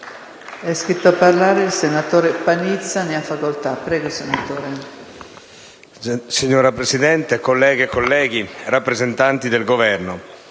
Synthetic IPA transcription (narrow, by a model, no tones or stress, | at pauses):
ɛskɾit̪ːoapːarlaːɾeilsenat̪oːɾepanit̪sːaneafːakolt̪apːɾɛːɡosenat̪oːɾe | siɲːoːɾapɾesid̪ɛnt̪ekolːɛːɡekolːɛːɡirapːɾezent̪ant̪id̪elɡovɛrno